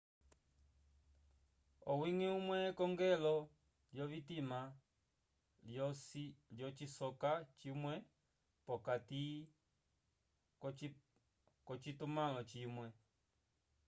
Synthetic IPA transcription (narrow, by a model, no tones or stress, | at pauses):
ɔwiŋiumwɛkɔŋɡɛlɔ | ljɔβitima | ljɔt͡ʃisɔkat͡ʃimwɛ | pɔkati | kɔt͡ʃitumãlɔt͡ʃimwɛ